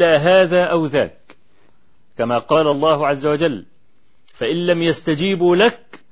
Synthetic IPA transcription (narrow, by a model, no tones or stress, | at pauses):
aːɦaːðaːʔawða̰ːk̚ | kamaːqɑːlalˤːɑːhʕazːawad͡ʒalː | faʔɪnːamjast̪ad͡ʒiːbulak̚